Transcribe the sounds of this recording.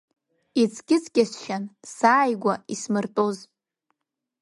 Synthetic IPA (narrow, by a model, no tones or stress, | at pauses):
it͡sʰɡʲɪt͡sʰʼɡʲasʃansaːjɡʷaismɨrtʼoz